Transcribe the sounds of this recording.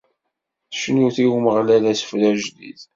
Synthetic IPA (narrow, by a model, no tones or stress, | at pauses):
θʃnuθiwməʁlælæsə̥flæʒd̪ḭð